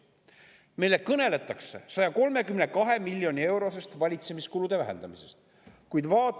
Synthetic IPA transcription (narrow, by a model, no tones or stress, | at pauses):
mejle̞kɤne̞le̞t̪ːˑɑksḛsɑjɑko̞lme̞kymnekɑɦe̞milʲːjo̞nʲie̞wɾo̞s̬e̞st̪vɑlʲit̪se̞miskulud̪̥e̞væɦḛnd̪̥ɑmise̞st̪ | kujd̪vɑːt̪